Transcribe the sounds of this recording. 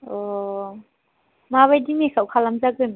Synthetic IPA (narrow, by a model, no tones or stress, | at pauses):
ɔ | maβajdimesawkʰalamzaɡɯn